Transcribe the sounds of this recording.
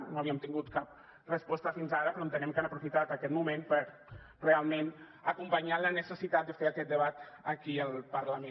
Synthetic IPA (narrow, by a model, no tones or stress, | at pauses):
noaβiəmt̪iŋɡut̪kap̚ | rəspɔst̪əfinzaɾəpɾɔomt̪ənɛmkanəpɾufit̪at̪akɛt̪mumẽnpəɾ | realˠmen | əkumpəɲalənəsəsit̪at̪̚d̪əfeɾakɛt̪̚d̪əβat̪ | əkiəlˠpəɾlame